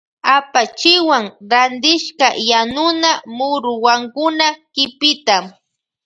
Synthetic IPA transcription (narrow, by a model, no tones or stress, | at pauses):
apat͡ʃɪwaŋɾand̪ɪʃkajanʊnamʊɾʊwaŋkʊnakɪpɪt̪am